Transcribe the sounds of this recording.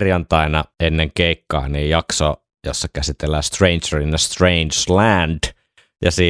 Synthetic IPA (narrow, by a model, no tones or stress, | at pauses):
rjɑnt̪ɑˑenɑenːeŋkeˑikːɑ̰ːniːjjɑkso | josːɑkæsit̪elːæːst̪reint͡ʃərinːæst̪reinslænd̥ | jɑsiː